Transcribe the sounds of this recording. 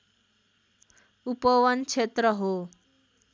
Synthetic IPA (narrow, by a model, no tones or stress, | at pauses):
upɔwʌnt͡ʃʰet̪ɾʌɦo